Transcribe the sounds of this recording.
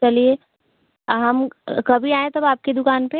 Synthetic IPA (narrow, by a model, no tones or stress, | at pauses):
t͡ʃɐlie | ɦɐmkɐbʱiaːẽt̪ɐbaːp̚ked̪ʊkaːnpe